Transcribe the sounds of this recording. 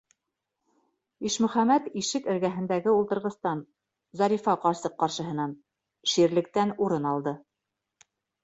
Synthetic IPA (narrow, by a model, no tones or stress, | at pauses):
iʃmɵ̆χæmæt̪iʃɘkɘ̆ɾɡæɦɘ̆nd̪æɡɘulˠt̪ɤ̆ɾʁɤ̆st̪ɑn | zɑɾifɑqɑɾsɤqːɑɾʃɤ̆ɦɤ̆nɑn | ʃiɾlɘ̆k̚t̪ænuɾɤnɑlˠd̪ɤ